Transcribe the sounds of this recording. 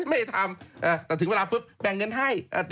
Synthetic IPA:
ma˥˩jha˧˩jt̪ʰaː˧mʔaː˧˩t̪ɛː˨˩˨weː˧laː˧fɨ˦˥p̚ɓɛ˨˩ŋːə˧nɦaː˧˥˩jʔəː˧˩t̪

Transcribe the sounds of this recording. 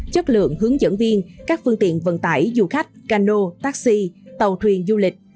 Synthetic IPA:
t͡ɕə˦˥t̚lɨ̰˧˨əŋɦɨ˨˦əŋzə̰˧˥nvi˧ənkaː˦˥k̚fɨ˧ŋt̪ḭ˧˨ənvə̰˧˨nt̪aː˧˩jzu˧˩xa˦˥jk̟̚kaː˧no˧t̪aː˦˥k̚si˧t̪ə˨˩wt̪ʰwi˨˩ənzu˧lï˨˩k̟̚

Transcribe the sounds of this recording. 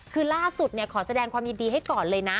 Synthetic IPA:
kʰɯː˧laː˥˩su˨˩t̪̚ni˥˩ɐkʰɔː˩˦sa˧dɛː˧ŋkʰwaː˧mji˧ndiː˧ɦa˥˩jkɔː˨˩nlɤː˧jna˦˥

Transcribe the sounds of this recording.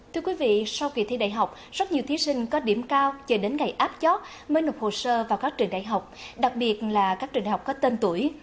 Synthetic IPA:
t̪ʰɨ˧əkwi˨˦vḭ˧˨sa˧wki˧˨˩t̪ʰi˧ɗa̰ː˧˨jɦa˨˩wk͡p̚ | zə˦˥t̚ɲi˨˩ət̪i˨˦sï˧ŋ̟kɔ˨˦ɗi˧˩əmkaː˧wt͡ɕəː˧˩ɗe˨˦nŋa˨˩jʔaː˦˥p̚t͡ɕɔ˦˥t̚ | məː˨˦jno˨˩p̚ho˨˩səː˧vaː˨˩wkaː˦˥k̚t͡ɕɨ˨˩əŋɗa̰ː˧˨jɦa˨˩wk͡p̚ɗa˨˩k̚ɓi˨˩ət̚laː˨˩kaː˦˥k̚t͡ɕɨ˨˩ŋʔa˨˩wk͡p̚kɔ˨˦t̪e˧nt̪u˧˩əj

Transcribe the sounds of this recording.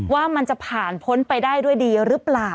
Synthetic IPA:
waː˥˩ma˧nt͡ɕa˨˩pʰaː˨˩npʰo˦˥npa˧jdaː˥˩jdu˥˩əjdiː˧ɾɯ˦˥plaː˨˩

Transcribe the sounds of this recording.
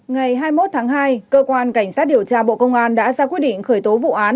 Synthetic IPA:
ŋa˨˩jɦaː˧jmo˦˥t̚t̪ʰaː˨˦ŋɦaː˧jkəː˧kwaː˧nka˧˩jŋ̟saː˦˥t̚ɗi˨˩əwt͡ɕaː˧ɓo̰˧˨kə˧wŋ͡mʔaː˧nɗa̰ː˧˥zaː˧kwt̚ɗḭ̈˧˨ŋ̟xəː˧˩jt̪o˨˦vṵ˧˨ʔaː˨˦n

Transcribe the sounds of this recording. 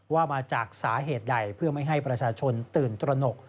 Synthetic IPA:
waː˥˩maː˧t͡ɕaː˨˩k̚saː˩˦ɦeː˨˩t̪̚da˨˩jpʰɯ˥˩ɐma˥˩jɦa˥˩jpɾa˧t͡ɕʰaː˧t͡ɕʰo˧nt̪ɯː˨˩nt̪ɾa˧no˨˩k̚

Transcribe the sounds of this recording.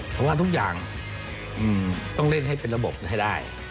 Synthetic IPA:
t̪ʰːwaː˧˩t̪ʰu˦˥k̚jaː˨˩ŋ | ʔɯː˨˩mt̪ɔ˥˧˩ŋle˥˩nɦa˥˩jpe˧nɾa˧bo˨˩p̚ha˧˩jdaː˥˩j

